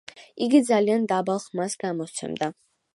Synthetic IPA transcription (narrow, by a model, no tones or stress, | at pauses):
iɡid̪zaliand̪abalˠχmasɡamɔt̪sʰɛ̰md̪a